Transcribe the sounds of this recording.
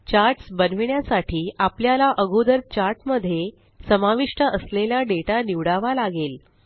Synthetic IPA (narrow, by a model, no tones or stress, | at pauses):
t͡ɕaɾʈsbənʋɳjasaʈiːapljalaʔəɡʱud̪əɾt͡ɕaɾʈməd̪ʱːje | səmaʋiʂʈəʔəsleljaɖeʈaniʋɽaʋalaɡel